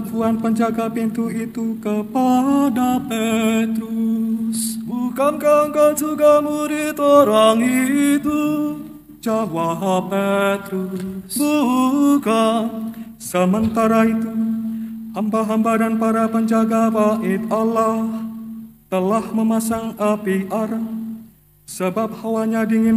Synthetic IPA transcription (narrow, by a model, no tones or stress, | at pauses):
apuanpəɲd͡ʒaɡapint̪uit̪ukəpadapet̪ɾusbukankaŋkad͡ʒuɡamuɾit̪oɾaŋiːt̪u | d͡ʒawaɦapet̪ɾusbukan | səmənt̪aɾait̪u | hambaɦambadanpaɾapəɲd͡ʒaɡabaʔɪt̪alaht̪əlahməmasaŋapiʔaɾ | səbap̚hawaɲadiŋɪn